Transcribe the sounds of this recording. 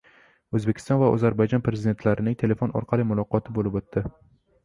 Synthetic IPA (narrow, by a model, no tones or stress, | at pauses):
ɵzbekʲʰɪ̥st̪ɒnvaɒ̰zaɾbajd͡ʒɒnpɾezɪd̪et̪ʰlaɾɪnɪŋt̪ʰe̞le̞fonɒ̰ɾqʰɑlˠɪmʊlˠɒqɒt̪ʰɪbolɪpot̪ːɪ